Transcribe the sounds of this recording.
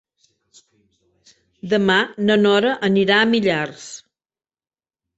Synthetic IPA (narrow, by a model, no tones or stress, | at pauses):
d̪əmanənɔɾəʔəniɾaəmiʎars